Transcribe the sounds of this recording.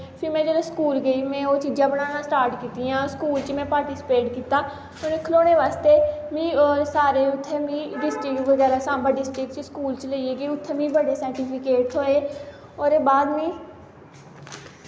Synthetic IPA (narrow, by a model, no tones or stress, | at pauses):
pʰɪɾmẽːd͡ʒəːleskuːlɡəiːmɛ̃ːoːt͡ʃiːd͡ʒãːbəɽaːnãːsʈaːɾʈkiːt̪iːãːskuːlt͡ʃmɛ̃ːpaːɾʈiːsɪ̥peːʈkiːt̪aː | oneːkʰəloːneːʋaːst̪eːmĩːɔːɾsaːɾeːʊt̪ʰːeːmĩːɖɪsʈɾɪkʈʋəɡɛːɾaːsãːmbaːɖɪsʈɾɪkt͡ʃskuːlt͡ʃləieːɡeːʊt̪ʰːeːmĩːbəɽeːsɛːɾʈipʰɪkeːʈɦoːeː | ɔːɾeːbaːd̪mĩː